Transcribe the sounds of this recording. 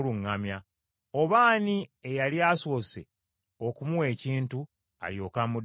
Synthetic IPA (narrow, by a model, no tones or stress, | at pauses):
luŋːamja | o̞βaːniejaliaːso̞ːse̞̰ | o̞kumuwe̞ːciːntu | a̰ljo̞ːkamud